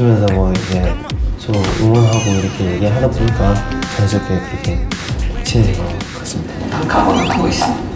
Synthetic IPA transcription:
ɯmjʌnsʰʌmʌid͡ʑes͈ʰojoŋʌnɦaɡoiɾʌkʰe̞jeɡeɦaɾaboɲik͈akans̬ʰokʰekɯɾʌkʰe̞t͡ɕʰiesʰeɡʌk͈ḁs͈ɯmɲid̥ataŋkaɡonɯnɦaɡois͈ɯ

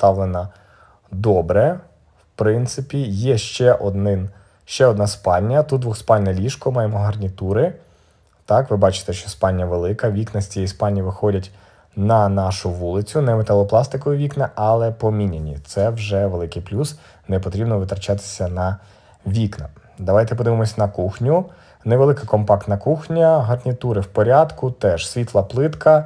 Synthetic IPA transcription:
t̪ɑʋlˠenɐ | d̪ɔbɾɛ | wpɾɪnt̪sɪpʲijɛʃt͡ʃɛʔɔd̪nɪn | ʃt͡ʃɛɔd̪nɑspɑlʲnʲɐt̪ut̪d̪ʋʊxspɑlʲnɐlʲiʃkɔmɑjemɔɦɐrnʲit̪uɾɪ | t̪ɑkʋɪbɑt͡ʃɪ̥t̪ɛʃt͡ʃɔspɑnʲːjɐʋelˠɪkɐʋʲiknɐsʲt͡sʲijispɑnʲːiʋɪxɔdʲɐtʲ | nɐnɑʃʊʋulˠɪt͡sʲʊnɛmet̪alˠɔplˠɑst̪ɪkɔjʊʋʲiknɐʔɐlˠɛpɔmʲinʲenʲḭt̪sɛwʒɛʋelˠɪkɪjplʲus | nɛpɔt̪ɾʲibnɔʋɪt̪ɾɐt͡ʃat̪ɪ̥sʲɐnɐ | ʋʲiknɐ | d̪ɐʋɑjt̪ɛp̬ɔd̪ɪʋɪmɔsʲnɐkuxnʲʊ | nɛʋelˠɪkɪkɔmpɑk̚t̪nɐkuxnʲɐɦɐrnʲit̪uɾɪwpɔɾʲad̪kʊt̪ɛʃsʲʋʲit̪lˠɐplˠɪt̪kɐ

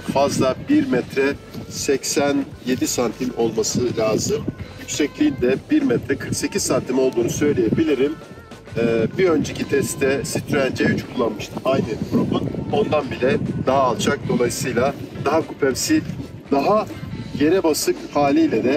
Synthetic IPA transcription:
fazlˠabiɾmɛt̪ɾɛsɛcsænje̞d̪isant̪ʰino̞lˠmasɯlʲaːzɯmjycsɛclʲiind̪ɛbiɾmɛt̪ɾɛkʰɯɾkse̞cizsant̪ʰimo̞lˠd̪uːnusø̞jlʲeje̞bilʲiɾimː | biø̞nd͡ʒecit̪ʰɛst̪t̪ʰɛsit̪ʰɾænd͡ʒɛjyt͡ʃkʰulˠːanmɯʃt̪ʰɯajnɯbɾobuno̞nd̪anbilʲɛd̪̥aɦaːlˠt͡ʃʰak̚d̪o̞lˠajsɯjlˠad̪̥aɦakupʰɛmsi | d̪aɦaɟe̞ɾɛbasɯkhaːlʲijlʲɛd̪ɛ

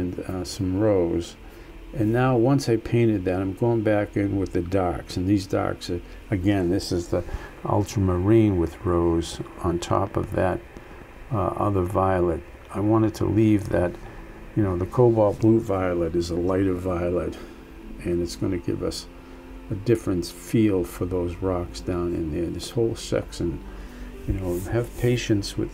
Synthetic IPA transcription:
nsʌ̃mɹoʊz | ɨ̃nːaʊwʌ̃nsaɪpʰẽɪ̃ɾ̃ɨd̪̚ðɨɾãɪ̃mɡoʊɪ̃ŋbækɪ̃nwɨðɨdɑksɨ̃n̩ðizdɑ̰ks | ɨɡɛ̃nðɪsɨzðiʔʌ̰lˠtʰəmə˞ĩnwɨðɹoʊz̃n̩tʰɔ̰pʌ̰vðɨɾ | ʔʌ̰ðə˞vaɪlˠəɾ̚ | aɪwɑ̃ɾ̃ɨd̚tʰə̰livðɨt | jɨnoʊðɨkʰoʊbɔlˠblutvaɪlˠəɾɨzəlaɪɾʌvvaɪlˠəɾ | ɨ̃nɨtsɡ̥ʌnɨɡɪ̰vʌ̰s | ɨdɪfɹɨ̃nfilˠfə˞ðoʊzɹɑksd̥ãʊ̃nɨ̰̃nðə˞ðɪshoʊlˠsɛ̰ksɨ̃njɨnoʊɨv̥pʰeɪʃɨ̃ntswɨ̰ð̥

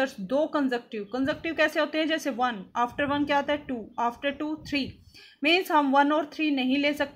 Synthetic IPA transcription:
əɾsd̪oːkɐ̃nzək̚ʈiʋkɐ̃nzək̚ʈiʋkɛːseɦʊt̪eẽd͡ʑɛːseʋɐnaːfʈəɾʋɐnkjat̪ɛʈuːaːfʈəɾʈuːt̪ʰɾiː | mẽːnsãmʋɐnɔːɾt̪ʰɾiːnɐɦĩleːsɐk̚t̪

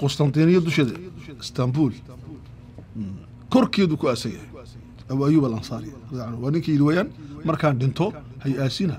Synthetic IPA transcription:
qʊst̪ʰɐnt̪iːnɪjɐd̪ʊʃɐðɐ̰ɪst̪ʰɐmbuːl | kʰɔrkʰɛːðukʰʊaːsɐɡɐ̰h | ɐβajʊːβɐlɐnsaːɾɪjɐaʕnʊwɑːnɪŋkʰɐːjɪɾɪwaːjaːnmɐrkʰaːnɖɪnt̪ʰɔ | hɐjæːsɪnɐ

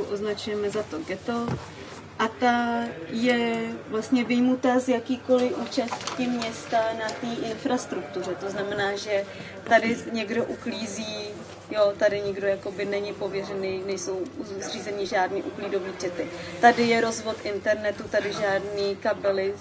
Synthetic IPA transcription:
ʔoznat͡ʃujɛmɛzat̪o̞ɡdɛt̪o̞ | ʔat̪ajɛvlast̪ɲɛvɪjmut̪azjakiːko̞lɪʔuːt͡ʃast̪cɪmɲɛst̪anat̪iːʔɪnfɾast̪ɾuk̚t̪uɾ̝ɛt̪o̞znamɛnaːʒɛ | t̪adɪɲɛɡdo̞ʔukliːziː | jo̞t̪adɪɲɪɡdo̞jako̞bɪnɛɲɪpo̞vjɛrɛninɛjso̞wzriːzɛnɪʒaːdniːʔukliːdo̞viːt͡ʃɛt̪ɪt̪adɪjɛɾo̞zvo̞t̪ʔɪnt̪ɛɾnɛt̪ut̪adɪʒaːdniːkabɛlɪ

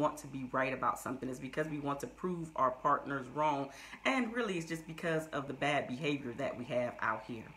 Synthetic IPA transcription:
ɑ̃ntʰɨbiɹaɪɾɨbaʊtsʌ̰̃mθɪ̃ŋɨtsb̥ɨkʰʌzwiwɑ̃ntʰɨpʰɹ̥uva̰ʊə˞pʰɑɹʔⁿnə˞zɹɔ̃ŋ | ɨ̃nɹɪlˠiɨts̬d̥ʒ̥ʌsb̥ɨkʰʌzʌvðɨbæd̚bɨɦeɪvjə˞ðɨ̰ʔ̚wiɨva̰ʊt̚hḭɹ

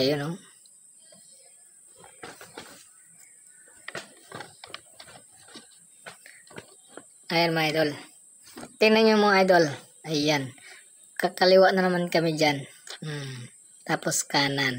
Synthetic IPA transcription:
ajono | ajanmoajd̪ol | t̪ɪnaɲomoajd̪ol | ajan | kakaliwaʔnanɐmankɐmid͡ʒan̩ | t̪aposkanan

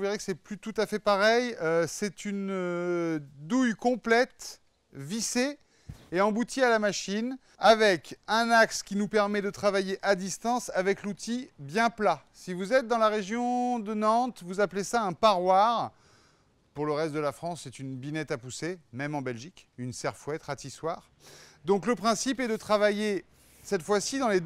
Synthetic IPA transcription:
uveʁekə̥sɛplyt̪ut̪afɛpaʁɛjøsɛt̪ynø | d̪ujkɔ̃plɛt̪ | vise | eɑ̃but̪ʰialamaʃin | avɛkɛ̃nakskʲinupɛʁmɛd̪ət̪χavajeʔad̪ist̪ɑ̃savɛklut̪ʰibjɛ̃plasivuzɛt̪̚d̪ɑ̃laʁeʒjɔ̃d̪ənɑ̃t̪vuzaplesaɛ̃paʁwaʁ | puʁləʁɛst̪̚d̪əlafχɑ̃sːɛt̪ynbinɛt̪apusemɛmɑ̃bɛlʒikynsɛʁfwɛt̪χat̪iswaːʁ | d̪ɔ̃kləpχɛ̃sipɛd̪ət̪χavaje | sɛt̪fwasid̪ɑ̃le

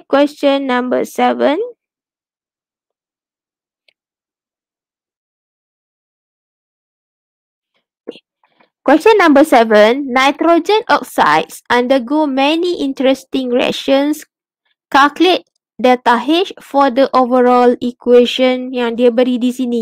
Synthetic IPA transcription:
kwɛst͡ʃə̃nːãmbə̰sɛvə̃n | kwɛstə̃nːãmbəsɛvə̃nːajtɹod͡ʒə̃nɔk̚sa̰ɪtsãndəɡomɛniʔĩntəɹɛstĩŋɹɛ̰ʃə̃ns | kaklet̚ | dətaɦɪʃfɔdəʔovəɹɔlikweʃə̃njãŋdiəbəɾidisini

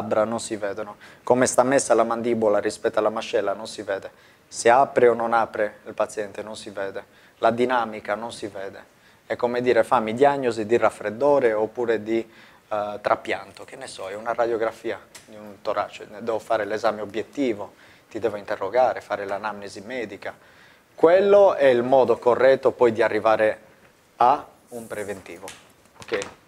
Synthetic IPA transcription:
bɾanonsivɛːd̪ɔnɔkomɛst̪amːesːalamand̪iːbɔlarispɛt̪ːalamaʃːɛlːanonsivɛːd̪ɛ | seapɾeɔnːonapɾeilpat̪sjɛnt̪ɛnonsivɛːðɛ | lad̪inaːmikanonsivɛːd̪ɛ | ɛkːomed̪iːɾɛfamːid̪jaɲːozid̪irafɾed̪ːɔːɾɛopːuːɾed̪i | t̪ɾʔapːjant̪ok̟enːɛsɔɛunarad̪jɔɡɾafiːad̪iunt̪oɾaːt͡ʃːɛ̰d̪ɛːvofaːɾelɛzaːmeobjet̪ːiːvo | t̪id̪ɛːvoint̪ɛrːɔɡaːɾɛfaːɾɛlanamnizimɛːd̪ika | kwɛlːoɛilmɔːd̪okɔrːɛt̪ːopɔjd̪iarːivaːɾɛ | a | umpɾevent̪iːvo | okei

